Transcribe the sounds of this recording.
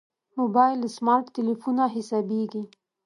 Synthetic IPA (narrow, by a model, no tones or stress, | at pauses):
mobɑjlsmɑɾʈːɪlifunaɦɪsɑbeɡi